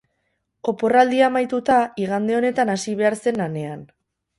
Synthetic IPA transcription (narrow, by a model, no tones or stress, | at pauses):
ko̞po̞rald̪iamajt̪ut̪aiɣand̪e̞o̞ne̞t̪anasiβ̞e̞aɾse̞nlane̞an